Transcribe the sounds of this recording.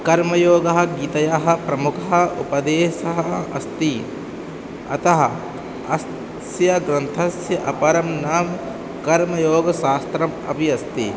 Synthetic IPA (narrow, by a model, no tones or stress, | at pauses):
kɐɾmɐjoːɡɐɦɐ̆ɡiːt̪ɐjaɦɐ̆pɾɐmukʰɐɦɐ̆upɐd̪eːʃɐɦɐɐ̰st̪i | ɐ̰t̪ɐɦɐ | ɐs | sjɐɡɾɐnt̪ʰɐsjɐʔɐpɐɾɐmnaːm | kɐɾmɐjoːɡɐʃaːst̪ɾɐmɐ̰bʱiɐst̪i